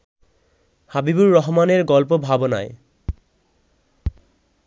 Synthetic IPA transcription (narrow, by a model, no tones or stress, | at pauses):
habibuɹːɔɦɔmaneɹɡɔlp̬obʱabona̰j